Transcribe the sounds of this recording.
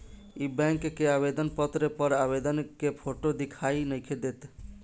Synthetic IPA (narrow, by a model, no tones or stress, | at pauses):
ibɛ̃ŋkkeabed̪ənpət̪ɾepəɾabed̪ənkepʰoʈod̪ikʰainəjkʰed̪et̪